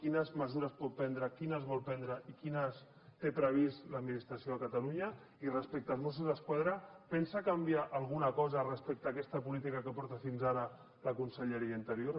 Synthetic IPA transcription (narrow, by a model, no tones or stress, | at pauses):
kinəzməzuɾəspɔt̪̚pɛnd̪ɾəkinəzβɔlˠpɛnd̪ɾəʔikinəs | t̪epɾəβ̞isləd̪minist̪ɾasioakat̪aluɲə | irəspɛk̚t̪əlˠzmos̬uzðəskwaðɾəpɛnsakambiaʔalˠɣ̞unakɔzərəspɛk̚t̪aːkɛst̪əpulit̪ikakəpɔɾt̪əfinzaɾə | ləkunsəʎəɾiəint̪əɾjoɾ